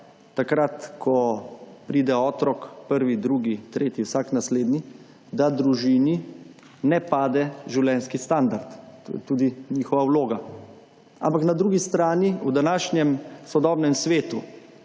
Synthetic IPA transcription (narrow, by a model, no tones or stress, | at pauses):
t̪akɾat̪kʰɔpɾiːd̪ɛɔːt̪ɾɔkpəɾʋid̪ɾuːɡit̪ɾeːt̪iwsaːknasleːd̪ni | d̪ad̪ɾuʒiːni | nɛpaːd̪ɛʒiwljɛnskist̪and̪aɾt̪t̪o̰ːjɛt̪uːd̪iɲiːxɔʋawloːɡa | a̰mpaknad̪ɾuːɡist̪ɾaːniud̪anaːʃnjɛmsɔd̪ɔːbnɛmsʋeːt̪u